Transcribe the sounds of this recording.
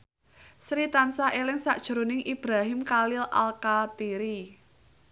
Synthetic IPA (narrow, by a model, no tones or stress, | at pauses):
sɾit̪ansaʔelɪŋsaʔd̥ʒ̥ə̤ɾonɪŋʔib̥ɾaɦɪmkalɪla̰lkat̪iɾi